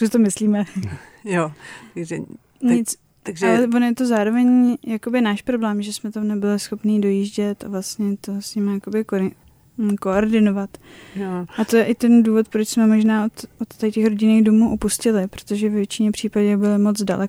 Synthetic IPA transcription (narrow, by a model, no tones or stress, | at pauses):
sɪt̪omɪsliːmɛjot̪aɡʒɛ | ɲɪt͡s | t̪aɡʒalɛvonjɛt̪o̞zaːɾo̞vɛɲjako̞bɪnaːʃpɾo̞blɛːmʒɛsmɛt̪amnɛbɪlɪsxo̞pniːdo̞jiʒɟɛt̪avlast̪ɲɛt̪o̞sɲɪmajakobɪk | ko̞oɾdɪno̞vat̪ | ʔat̪o̞jɛʔɪt̪ɛnduːvo̞t̪pɾo̞t͡ʃsmɛmo̞ʒnaːot̪ʔot̪ːacɛxɾo̞ɟɪniːɣdomuːʔupuscɪlɪpɾot̪o̞ʒɛvɛvjɛt͡ʃɪɲɛpr̝̥iːpaɟɛbɪlɪmo̞t͡sda̰lɛko